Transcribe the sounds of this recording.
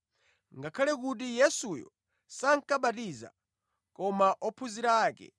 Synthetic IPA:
ŋɡakʰalɛk̬ut̬ijɛsujɔ̰ | saŋ̩kaɓatiza̰ | kɔmaʔɔpʰuziɾaːkɛ̰

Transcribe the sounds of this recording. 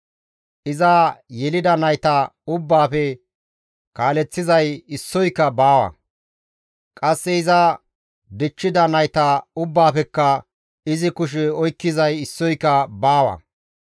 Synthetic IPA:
ʔɪzajɛlɪd̪ɐnɐjt̪ɐʊbːaːpɛ | kaːlɛt͡sːɪzɐjɪsːɔjkːɐbaːwɐ̰ | kʼɐsːɛɪzɐ | d̪ɪt͡ʃːɪd̪ɐnɐjt̪ɐʊbːaːpɛkːɐ | ɪzɪkʊʃ̬ɛɔjkːɪzɐjɪsːɔjkːɐbaːwɐ̰

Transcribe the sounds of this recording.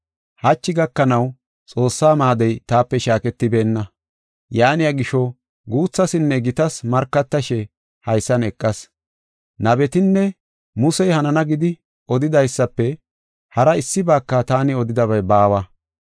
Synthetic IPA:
hɐt͡ʃːɪɡɐkːɐnɐw | t͡sʼo̞ːsːaːmaːd̪ɛjt̪aːpːɛʃaːkɛt̪ːɪbe̞ːnːɐ | jaːnɪjɐɡɪʃɔ | ɡuːt͡sːɐsɪnːɛɡɪt̪ɐsmɐɾkːɐt̪ːɐʃɛ | hɐjsːɐnɛkʼːɐs | nɐbɛt̪ɪnːɛ | mʊsɛjhɐnɐnɐɡɪd̪ɪ | ɔd̪ɪd̪ɐjsːɐpːɛ | hɐɾɐɪsːɪbaːkːɐt̪aːnɪɔd̪ɪd̪ɐbɐjbaːwɐ

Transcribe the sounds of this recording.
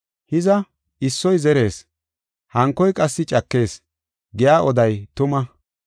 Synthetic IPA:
hɪzɐ | ɪsːɔjzɛɾe̞ːs | hɐŋkːɔjkʼɐsːɪt͡ʃʼɐkːe̞ːs | ɡɪjaːʔɔd̪ɐjt̪ʊmɐ

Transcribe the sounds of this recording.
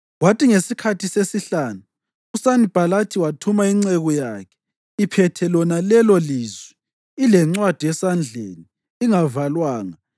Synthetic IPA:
watiŋesikʰatʰisesiɬaːnu | usanib̥ʱalatʰiwatʰumaiŋ͡ǀɛɣɔjaːkʰɛ̥ | ipʰɛtʰɛlɔnalɛlɔliːzwɛ | ilɛŋ͡ǀwad̥ʱiɛsand͡ɮʱḛniː | ŋavalwaːŋa

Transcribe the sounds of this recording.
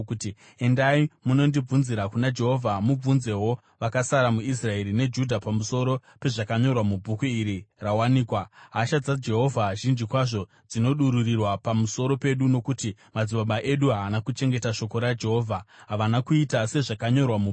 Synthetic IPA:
uti | e̞ndaimuno̞ndib͡vunziɾakunad͡ʒe̞ɦo̞vʱamub͡vunze̞wo̞ | ʋakasaɾamuis̬rae̞ɾine̞d͡ʒudʱapamuso̞ɾo̞pe̞ʐakaɲo̞rwamubʱukuiɾirawaniːkwaɦaʃad͡zad͡ʒe̞ɦo̞vʱaʒind͡ʒikwaʐo̞ | d͡zino̞ɗuɾurirwapamuso̞ɾo̞pe̞ɗuno̞kutimad͡ziɓaɓaʔe̞ɗuɦaːnakut͡ʃe̞ŋɡe̞taʃo̞ko̞ɾad͡ʒe̞ɦo̞ːvʱaɦaʋanakuitase̞ʐakaɲo̞rwamu

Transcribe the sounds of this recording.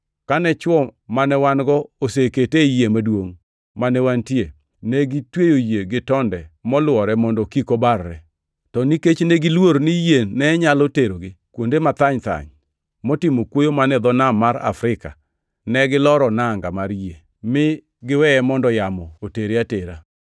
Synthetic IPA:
kanɛt͡ʃwɔmanɛwanɡɔoseketejemadwoŋ | manɛwantie | neɡitwejojeɡɪtɔndɛmɔlwɔɾɛmɔndɔkikobarːɛ | tɔniket͡ʃneɡilwoɾnijenɛɲaloteɾoɡɪkwondemat̪aɲt̪a̰ɲ | mɔtɪmokwojomanɛd̪ɔnamaɾa̰fɾɪka̰ | nɛɡɪlɔɾɔnaŋɡamaɾje | mɪ | ɡɪwɛɛmɔndɔjamɔoteɾeateɾa

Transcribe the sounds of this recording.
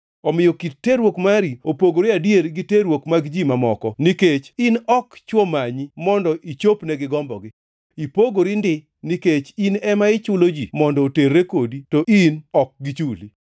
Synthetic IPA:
ɔmɪjɔkittːeɾwokmaɾiopoɡoɾiadjeɾɡiteɾwokmaɡd͡ʒimamɔkɔniket͡ʃinɔkt͡ʃwomaɲimɔndɔʔit͡ʃopnɛɡɪɡɔmbɔ̰ɡɪ | ipoɡoɾindɪ | niket͡ʃinɛmaɪt͡ʃʊlod͡ʒimɔndɔːterːekoditoʔinɔk̚ɡit͡ʃuli

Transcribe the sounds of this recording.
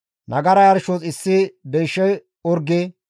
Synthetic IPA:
nɐɡɐɾɐjɐɾʃot͡sʼɪsːɪb̪ɛjʃːɛj | ɔɾɡɪ

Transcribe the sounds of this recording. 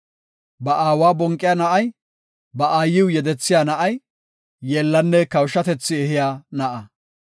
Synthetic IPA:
bɐʔaːwaːbɔŋkʼːɪjaːnɐʔɐj | bɐʔaːjːɪwjɛd̪ɛt͡sːɪjaːnɐʔɐj | jeːlːɐnːɛkɐwʃɐt̪ɛt͡sːɪɛhɪjaːnɐʔɐ

